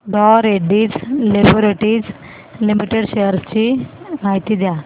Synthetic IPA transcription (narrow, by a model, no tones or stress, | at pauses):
ɖɔɾeɖiːd͡zleboɾeʈiːd͡z | limiʈeɽɕejəɾst͡ɕimaɦit̪iːd̪ja